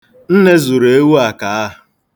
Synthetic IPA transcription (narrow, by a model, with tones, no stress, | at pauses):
n̩˦ne˦zu˨ɾe˦wu˦a˨ka˨˦a˦˨